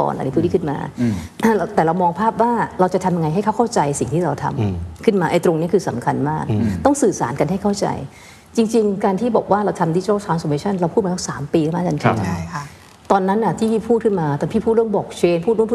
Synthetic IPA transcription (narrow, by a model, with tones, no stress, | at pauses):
kɔ̰ː˨˩nʔa̰˧ni˦˥p̪ʰːiː˥kʰɯ˥˩nma̰ː˧ʔt̪ɛː˨˩ɾa˧wmɔː˧ŋpʰaː˥˩p̚waː˥˩ɾa˧wt͡ɕa˨˩t̪ʰa˧mja˧ŋa˧jɦa˥˩jkʰa˥˩wkʰa˥˩wt͡ɕa˧jsi˨˩ŋt̪ʰiː˥ɾa˧wt̪ʰa̰˧mkʰɯ˥˩nmaː˧ʔa˧jt̪ɾo˧ŋni˦˥ɐkʰɯː˧sa˨˩˦mkʰa˧nmaː˥˩k̚t̪ɔ˥˩ŋsɯː˨˩saː˩˦nka˧nɦa˥˩jkʰa˥˩wt͡ɕa̰˧j | t͡ɕi˧ŋt͡ɕi˧ŋkaː˧nt̪ʰiː˥˩bɔː˨˩k̚waː˥˩ɾa˧wt̪ʰa˧mdi˦˧˥t͡ɕɔː˥˩t͡ɕʰaː˦nsoː˧meː˧˥t͡ɕʰa˥˩nɾa˧wpʰu˥t̪̚ma˧˩˥saː˩˦mpiː˧kʰa˥˩maː˧ka˧n̰ʰ˧˩t͡ɕʰa˥˩ | t̪ɔː˧nːa˦˥nʔa˧˩t̪ʰiː˥˩pʰiː˥˩pʰuː˥˩t̚kʰɯ˥˩nmaː˧t̪ɔː˧npʰiː˥˩pʰuː˥˩ɾɯ˥˩ŋbɔː˨˩k̚t͡ɕʰeː˧npʰuː˥˩t̪̚ɾpu˥˩